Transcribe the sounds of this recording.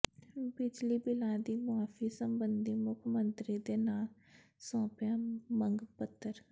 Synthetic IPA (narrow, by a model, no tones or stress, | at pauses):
bɪd͡ʒliːbɪlãːd̪iːmʊaːfʰiːsəmbənd̪iːmʊkʰmənt̪ɾiːd̪eːnaːl | sɔ̃ːpjãːməŋɡpət̪ʰːəɾ